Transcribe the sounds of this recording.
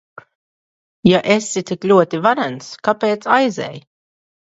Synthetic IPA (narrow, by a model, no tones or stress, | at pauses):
jaʔesit̪iklʲuɔt̪ivaɾanskapeːt̪sajzɛ̰ːj